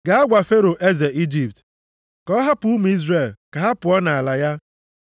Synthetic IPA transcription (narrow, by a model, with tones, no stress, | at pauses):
ɡa˨a˦ɡʷa˨fe˦ɾo˨ʔe˦ze˨i˦d͡ʒi˨p̚t | kɔ˦ɦa˦pʊ˨u˦m˨˦i˦zre˨lka˨ɦa˦pʊ˨ɔ˦na˨a˨la˨ja˦